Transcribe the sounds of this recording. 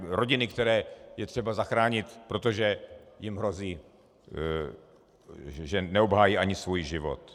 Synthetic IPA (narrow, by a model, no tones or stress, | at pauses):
ɾoɟɪnɪkt̪ɛɾɛːjɛt̪r̥ɛbazaxɾaːɲɪt̪pɾo̞t̪oʒɛjɪmɦɾo̞ziː | ʒɛnɛobɦaːjiːʔaɲɪsvujʒɪvo̰t̪